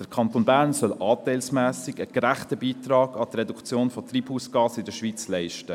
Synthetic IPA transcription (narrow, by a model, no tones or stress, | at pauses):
d̥əɾkʰɑnt̪onbæːɾnsœlʔɑːtɛɪlsmæːsɪɡəkɾæχtəbiːtɾɑːɡ̥ɑt̪rɛdukt͡sjoːnfɔt̪riːphuːsɡ̥ɑːsɪdəʃʋiːt͡slɛɪʃtə